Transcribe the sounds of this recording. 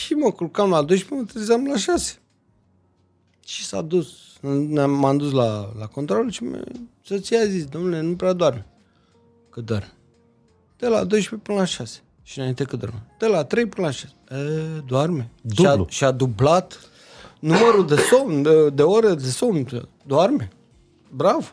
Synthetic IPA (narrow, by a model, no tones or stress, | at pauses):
ʃiməkulkamlad̪ojʃpemət̪iizamlaʃase̥ | t͡ʃisa̰d̪us | nnamand̪us̬lalako̞nt̪ɾolʃimḛsot̪sijazisd̪o̞mnulenupɾead̪oarme | kɨt̪̚d̪a̰rme | d̪̥ela̰d̪ojʃpepɨnəlaʃase̥ | ʃinaint̪ekɨt̪d̪a̰ɾmed̪̥elat̪ɾe̞jpɨnəlaʃase̥əd̪oarmeaʃiad̪ublat̪ | numəɾud̪esoməd̪e̞oɾed̪esomn | d̪oarme | bɾav